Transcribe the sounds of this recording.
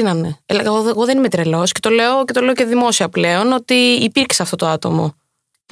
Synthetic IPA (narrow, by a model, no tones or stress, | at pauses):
inɐmeelɐɐoɣo̞ðenimet̪ɾelo̞sce̞̥t̪o̞le̞ocet̪o̞le̞oceðimo̞siɐple̞ono̞t̪iːpiɾcsɐft̪o̞t̪oɐt̪o̞̰mo̞̰